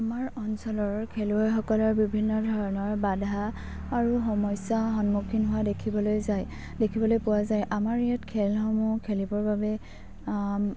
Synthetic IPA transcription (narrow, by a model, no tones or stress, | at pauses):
amaɹɔnsɔlɔɹkʰeluɔjxɔkɔlɔɹbibʱinːɔdʱɔɹɔnɔɹbadʱaː | ɹuɦɔmɔjsaɦɔnmukʰinɦʊwadekʰibɔlojzaj | dekʰibɔlojpʊwazajʔamaɹijatkʰɛlɦɔmukʰelibɔɹbabɛ